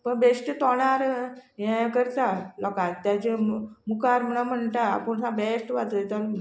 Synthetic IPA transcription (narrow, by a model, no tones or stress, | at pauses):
pəɳbesʈət̪ɔɽ̃aɾjɛ̃kəɾt̪alɔkatt̪jat͡ɕemukaɾm̤əɽ̃am̤əɳʈ̪a̰ːpəɳɦãbesʈʋat̪əjt̪an